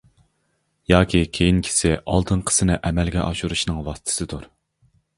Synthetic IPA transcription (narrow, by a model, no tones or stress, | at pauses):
jɑːkʲikʲʰejinkʲʰi̥sɪʔɑlˠt̪ʰɨnqʰə̥sɨnɪʔɛmɛlɡʲɛʔɑʃuɾuʃnɨŋwɑst̪ʰɪ̥sɨd̪uɾ